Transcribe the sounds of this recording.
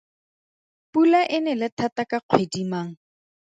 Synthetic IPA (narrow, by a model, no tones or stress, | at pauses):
pulaʔɪnɛlɪtʰatakaq͡χʰwedimaːŋ̩